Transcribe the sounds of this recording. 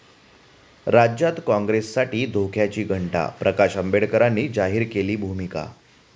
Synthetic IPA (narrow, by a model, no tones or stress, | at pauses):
ɾad͡ʑjat̪kɔ̃ŋɡɾesːaʈiːd̪ʱokʰjat͡ɕiːɡʱəɳʈa̰pɾəkaɕəmbeɽkəɾanːiːd͡zaɦiːɾkeliːbʱumika̰